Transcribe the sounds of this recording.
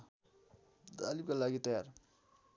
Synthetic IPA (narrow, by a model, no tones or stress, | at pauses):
d̪a̰libkalaɡit̪əjaɾ